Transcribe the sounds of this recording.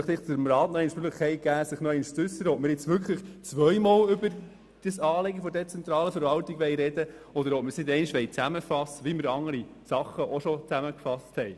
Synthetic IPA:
χtɪχt͡sʊɾəmɾɑːt̪nɔɛɪnʃpʏləχɛɪɡ̥æːsɪχnɔɛɪnʃt͡sʉsːəɾəɔtmɪɾjɪt͡sʋʏɾkχləχt͡sʋœʏmɑːlʏbəɾ | d̥əsɑːleɡəfɔdɛt͡sɛnt̪ɾɑːləfəɾvɑltiɡʋɛjɾɛd̥ə | ɔd̪əɾɔtmɪɾsnɪd̪ɛɪnʃʋɛɪt͡sæməfɑsəʋiməɪɾɑŋːəɾisɑχːəʔɔʃɔt͡sæməkfɑsthɛɪ

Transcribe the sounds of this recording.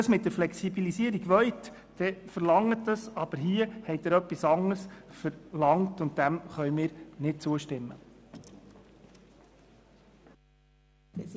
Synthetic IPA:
əsmɪt̚d̥̪əɾflɛksibilisiəɾiɡʋœɥt | d̥ɛfəɾlɑŋːətdəsɑb̥əɾɦiəhɛɪtdəɾœpːisɑŋəɾsfəɾlɑŋtʊn̚d̥æmχœʏmɪːɾnɪt̚t͡suəʃtɪmːə̰

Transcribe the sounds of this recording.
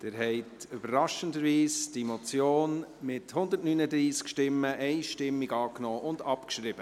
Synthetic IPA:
d̥eːɾɦɛɪtʏbəɾːɑʃəndəɾʋiːsd̥imot͡sjoːnmɪthʊnd̪ətnyːnəd̪ɾiːskʃtɪmːəʔɛɪʃtɪmːiɡɑːknɔːʔʊndɑpkʃɾɪb̥ə

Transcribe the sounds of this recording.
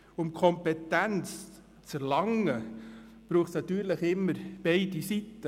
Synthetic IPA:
ʊmkʰɔmpɛt̪ænt͡s | t͡sɛɾlɑŋə | b̥ɾuːχsnɑt̪yːɾləχɪmːəɾb̥eɪdisit̪ːə

